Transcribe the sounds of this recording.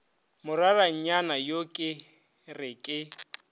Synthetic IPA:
mʊraraɲ̩ɲanajokʼɪ | rɪkʼɪ

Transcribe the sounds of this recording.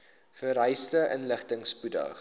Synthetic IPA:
fəɾœjstəʔənləχtəŋspudə̰

